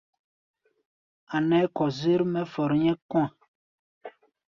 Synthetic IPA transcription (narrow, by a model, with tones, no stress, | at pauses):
a˨nɛ˦kɔ˨ze˦ɾmɛ˦fɔ˨ɾɲɛ̃˦kw̃ã˨